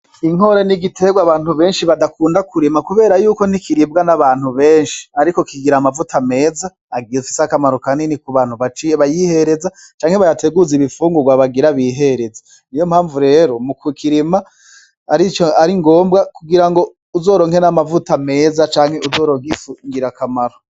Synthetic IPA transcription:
iŋo̞ɾeniɡitʰe̞ɡwaβaːn̥huβe̞ːnʃiβadakuːndakʰuɾimakuβe̞ːɾajuːko̞n̥ikiɾib̚ɡanaβaːn̥huβe̞ːnʃi̥aɾiko̞kiɡiɾamavutʰame̞ːza | aɡiufi̥sakamaɾukaninikuβaːnhuβat͡ʃiβajihe̞ɾe̞za | t͡ʃaːŋheβajatʰe̞ɡuziβifuːŋɡuɡwaβaɡiɾaβiːɦe̞ɾe̞za | nijo̞mhaːɱvuɾe̞ːɾo̞mukukʰiɾima | aɾit͡ʃoaɾiŋɡo̞ːmbɡakuɡiɾaŋɡo̞ | uzo̞ːɾoŋhe̞namavutame̞ːzat͡ʃaːŋ̥he̞ʔuzo̞ːɾoːŋɡifuŋɡiɾakamaɾo

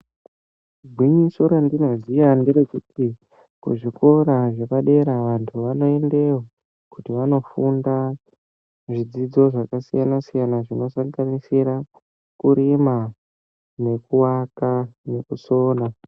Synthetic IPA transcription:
ɡʱwiɲiso̞ɾandinozijandeɾekutʰi | kuʐikʰo̞ɾaʐe̞paɗe̞ɾaʋantʰuʋano̞e̞nde̞wa | kutiʋano̞funda | ʐid͡zid͡zo̞ʐakasijanasijanaʐino̞saŋɡanisiɾa | kuɾima | ne̞kuwakane̞kuso̞ːna

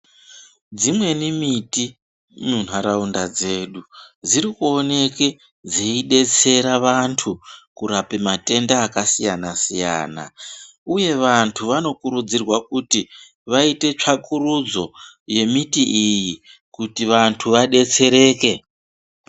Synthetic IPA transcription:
d͡zimwe̞nimiti | nun̤aɾaundad͡ze̞ːɗud͡ziɾikuo̞ne̞ke̞ | d͡zeiɗe̞t͡se̞ɾaʋantʰukuɾapemate̞ndaːkasijanasija̰ːna̰ | uje̞ʋantʰuʋano̞kuɾud͡zirwakuti | ʋaite̞t͡ʂʰakuɾud͡zo̞je̞mitiʔiji | kutiʋantʰuʋaɗe̞t͡se̞ɾe̞ːke̞

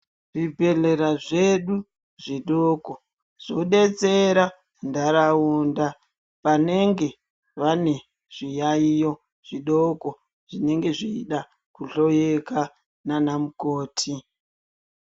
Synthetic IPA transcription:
ʐibʱe̞ɮe̞ɾaʐeɗu | ʐiɗoko | ʐ̥o̞ɗe̞t͡seɾa | ndaɾauːnda | pane̞ŋɡe̞ | ʋane̞ | ʐ̥ijaijo̞ | ʐ̥iɗoko | ʐ̥ine̞ŋɡe̞ʐiːɗa | kuɬo̞jeka | nanamukoːtʰi

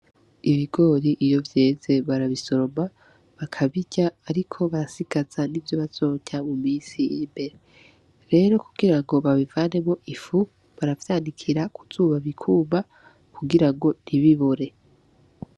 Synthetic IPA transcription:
iβiɡo̞ːɾiʔijo̞vje̞ːze̞βaɾaβiso̞ɾo̞ma | βakʰaβiɟaːɾikʰo̞βaɾasiɡ̥az̥anivjo̞βazo̞ːcamumiːsijimbe̞ɾe | ɾe̞ːɾo̞kuɡiɾaŋɡo̞βaβivaːne̞moʔifu | βaɾavjaːndikʰiɾakʰuz̥uːβaβikʰuːma | kʰuɡiɾaŋɡo̞niβiβuɾe̞

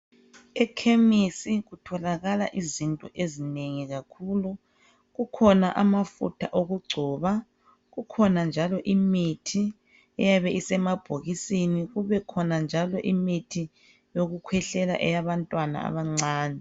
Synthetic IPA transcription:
ɛkʰemisiɣutʰɔlaɣala̰ʔizintʼɔʔezineŋiɣakʰulu | ɣukʰɔnaʔamafṵtʰaʔoɣuɡ͡ǀʱɔːβa | ɣukʰɔnand͡ʒʱalɔʔimitʰi | ɛjaβɛisɛmab̥ʱoɣisiniɣuβɛkʰɔnand͡ʒʱalɔʔimitʰi | joɣukʰwɛɬɛla̰ʔɛjaβantʼwana̰a̰βaŋ͡ǀaːnɛ

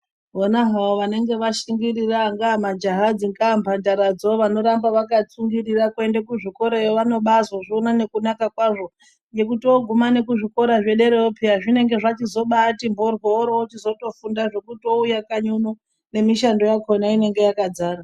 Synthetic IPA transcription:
ɦonaɦawoʋane̞ŋɡe̞ʋaʃiŋɡiɾiraŋɡaːmad͡ʒaɦad͡ziŋɡaːmpʰandaɾad͡zoʋano̞ɾambaʋakat͡suŋɡiɾirakuendakuʐiko̞ɾajoʋano̞ɓazwaʐionane̞kunakakwaʐo̞ | je̞kutioɡʱumane̞kuʐiko̞ɾaʐeɗe̞ɾeopʰiaʐine̞ŋɡe̞ʐat͡ʃizo̞ɓatimbʱorwooɾoot͡ʃizo̞to̞fundaʐe̞kutioujakaɲono | ne̞miʃando̞jakonaine̞ŋɡe̞jakad͡zaːra

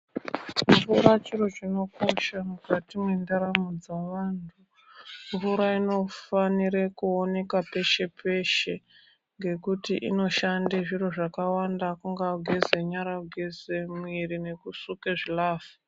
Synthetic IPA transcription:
vuɾat͡ʃiɾo̞t͡ʃino̞ko̞ʃamukatimwendaɾamud͡zaʋaːntʰu | vuɾaino̞faniɾekuone̞kape̞ʃe̞pʰe̞ʃe̞ | ŋɡe̞kutiʔḭno̞ʃandeʐiro̞ʐakawandakuŋɡaɡʱezeɲaɾaɡʱezemwiɾine̞kusukeʐilaːfu

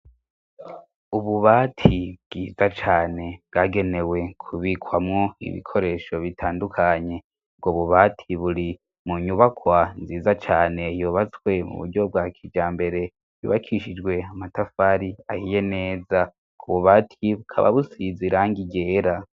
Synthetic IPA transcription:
uβuβaːtʰib̚ɡ̥iːzat͡ʃaːne̞bɡaːɡe̞ne̞we̞kʰuβikʰwamŋo̞ḭβḭkʰo̞ɾe̞ʃo̞βitʰaːndukʰaɲe̞ | bɡoβuβatʰiβuɾi | muɲuβakʰwanziːzat͡ʃaːne̞joːβat͡skwe̞mṵβṵɾɟo̞b̚ɡakʰid͡ʒaːmbe̞ɾe̞ | jṵβakʰiʃid͡ʒɡwe̞amatafaɾiahije̞ne̞ːza | kuβuβaːtʰiβukʰa̰βa̰βusiziɾaŋɡiɟe̞ːɾa

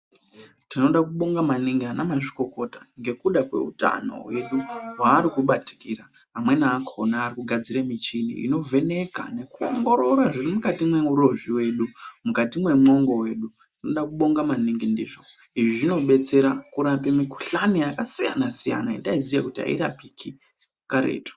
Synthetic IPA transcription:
tino̞ɗakuɓo̞ŋɡamaniŋɡianamaʐiko̞ko̞taŋɡe̞kuɗakwe̞̰ṵta̰no̞̰we̞ɗuwaːɾikuɓati̥kiɾaː | mwe̞naːkʰonaːrikuɡʱad͡ziɾemit͡ʃinḭʔḭno̞vʱe̞ne̞ka̰ne̞kuo̞̰ŋɡo̞ɾo̞ɾaʐirimukatimwe̞uɾo̞ʐiwe̞ɗumukatimwe̞muno̞ŋɡo̞we̞ːɗu | ino̞ɗakuɓo̞ŋɡamaniŋɡindḭːʐo̞ | iʐiʐino̞ɓe̞t͡se̞ɾakuɾapemiku̥ɬanijakasija̰nasija̰naḭndaizijakutiɦa̰ḭɾa̰pikʰi | kaɾe̞̰ːto̥

